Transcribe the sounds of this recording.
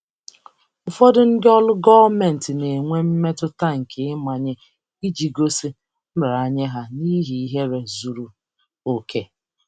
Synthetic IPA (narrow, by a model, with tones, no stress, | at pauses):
ʊ˨fɔ˦dʊ˦ŋ̩˦dɪ˦ɔ˦lʊ˦ɡɔ˦me˨n̩˨tɪ˨ne˨ŋʷe˦m̩˦me˦tʊ˦ta˦˨ŋ̩˨kɪ˨ɪ˦ma˨ɲɪ˦ | i˦d͡ʒi˨ɡo˦si˦ | m̩˦bɾa˨ɲe˦ɦa˦ni˦ɦi˨i˦ɦe˦ɾe˨zu˨ɾu˨ | o˨kʰe˦